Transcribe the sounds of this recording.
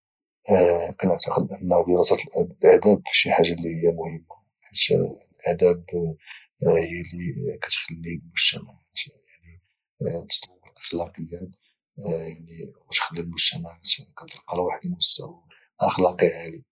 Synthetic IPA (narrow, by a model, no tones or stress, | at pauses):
kænəʕt̪əqəd̪̚ʔənːhæd̪iɾɑsɑt̪lʔlʔæd̪æb̚ʃiħaʒːalihəjːæmʊhəmːa | ħat̪ː | lʔæd̪æb | həjːælikæt̪xəlːilmʊʃt̪æmaʕat̪jaʕni | t̪t̪ˤɑwːəɾʔəxlɑqəjːən | jaʕniwt̪xəlːilmʊʃt̪æmaʕat̪kænt̪ˤɾqːɑlwaħd̪iʊst̪ːæ̰wa | ʔəxlɑqiʕali